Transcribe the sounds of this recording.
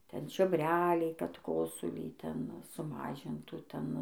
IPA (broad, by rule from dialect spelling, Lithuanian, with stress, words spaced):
ˈtʲɛn t͡ʃʲoːbʲˈrʲæːlʲɛɪ kɐt ˈkoːsʊlʲiː ˈtʲɛn sʊˈmɑːʒʲɪntuː ˈtʲɛn